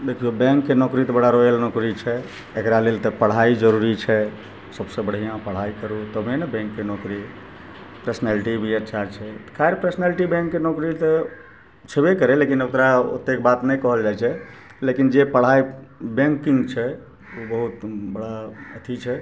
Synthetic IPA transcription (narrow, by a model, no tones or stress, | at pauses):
d̪ekʰijobɛ̃ŋkːenɔkɾit̪əbəɽaɾojəlnokɾit͡ʃʰɛ | ekɾalelt̪ɔpəɽ̤aid͡ʒəɾuɾit͡ʃʰɛ | səbsẽbəɽ̤ijãpəɽ̤aikəɾut̪əmenɛbɛ̃ŋkːenokɾi | pɾəsənaliʈibʱiətːʃʰat͡ʃʰɛt̪kʰaiɾpɾəsəneliʈibɛ̃ŋkːenokɾit̪e | t͡ʃʰebekəɾɛlekinokɾao̰t̪ːek̚bat̪nɛjkɔɦəld͡ʒajt͡ʃʰɛ | lekind͡ʒepəɽ̤aibɛ̃ŋkĩŋɡt͡ʃʰɛ | obəɦut̪bəɽaət̪ʰit͡ʃʰɛ